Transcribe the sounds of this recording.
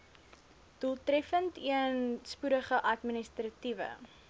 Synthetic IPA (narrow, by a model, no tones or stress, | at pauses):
d̥ulˠtrɛfəntiənspuɾəχəʔɐtministrativə̰